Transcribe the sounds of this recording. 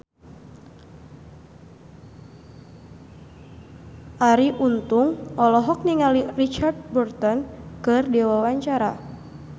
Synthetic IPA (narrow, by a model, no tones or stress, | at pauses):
ʔaɾiʔunt̪ʊŋɔlɔɦɔk̚niŋalirit͡ʃard̚bɔrt̪ɔnkɨrdewawaɲt͡ʃaɾa